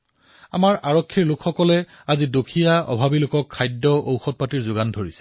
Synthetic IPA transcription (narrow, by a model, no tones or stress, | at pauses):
a̰maɹʔaɹɔkʰːiɹlʊkxɔkɔlɛ | azidokʰijaʔɔ̰bʱabilʊkɔkʰːajdːɔʔowxɔt̚patiɹzʊɡandʱoɹisɛ̥